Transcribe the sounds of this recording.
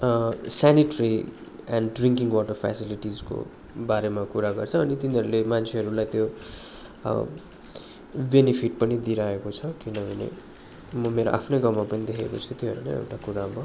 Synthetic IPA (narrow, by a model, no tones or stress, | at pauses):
saniʈʌri | anɖriŋkiŋwɔʈʌrpʰa̰siliʈid͡zko̰ | baɾemakuɾaɡʌrt͡sʰʌ̃ʌnit̪iniɦʌɾulemant͡sʰeɦʌɾulajt̪jo̰ | benipʰiʈ̚pʌnid̪iɾaekot͡sʰʌkinʌbʱʌnḛ | mʌmeɾo̰ʔa̰pʰnojɡʌwmapʌnid̪ekʰeko̰t͡sʰut̪joɦʌɾulḛḛwʈakuɾamʌ